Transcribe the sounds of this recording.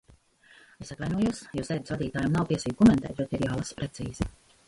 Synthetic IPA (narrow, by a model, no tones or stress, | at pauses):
esat̪vajnuɔjuɔsjuːsɛjd̪svad̪iːt̪aːjamnawp̪iɛsiːɡ̚kɔmɛnt̪ɛ̰ːt̪ɾet̪iɾjaːlˠaspɾet̪siːzi